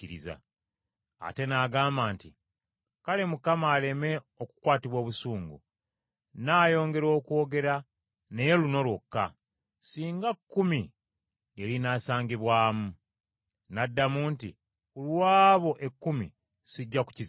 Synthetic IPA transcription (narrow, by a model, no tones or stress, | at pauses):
iɾiza̰ | a̰te̞naːɡaːmbaːnti | kale̞mukamaːle̞me̞ | o̞ku̥kwaːtiβwo̞ːβusuːŋɡṵ | naːjo̞ːŋɡe̞ɾo̞ːkwo̞ːɡe̞ɾa | ne̞jeluno̞lwokːa | siːŋɡakːumi | elinaːsaːŋɡiβwaːmu | nadːamuːnti | ulwaːβo̞ʔe̞kːumḭ | siɟːaku̥ciz